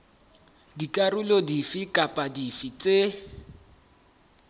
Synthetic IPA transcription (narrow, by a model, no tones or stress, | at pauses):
dikʼarulɔdifikʼapʼadifit͡sʼe